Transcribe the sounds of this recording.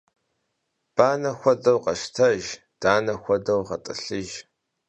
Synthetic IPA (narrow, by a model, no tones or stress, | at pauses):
b̥aːnɐxʷɔdɐwqɐʃtʰɐʒ | d̥aːnɐxʷɔdɐwʁɐtʼɨɬɨʒ